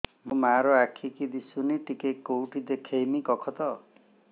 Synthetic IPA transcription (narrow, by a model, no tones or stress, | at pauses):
mumaɾɔakʰikid̪isuniʈikekːowʈid̪ekʰejmikɔkʰɔt̪ɔ